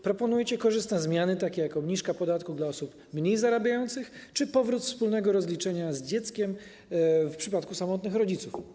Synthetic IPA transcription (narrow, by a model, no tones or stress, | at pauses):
pɾɔpɔnujɛt͡ɕɛkɔʐɘst̪nɛzmʲjanɘt̪akʲɛjakɔbɲiʂkapɔd̪at̪̚kud̪laɔsup | mɲejzaɾabʲjajɔnt̪sɘxt͡ʂɘpɔvɾut̪fspulnɛɡɔɾɔzlʲit͡ʂɛɲazd͡ʑɛt̪skʲɛm | fpʂɘpat̪kusamɔt̪nɘxɾɔd͡ʑit̪suf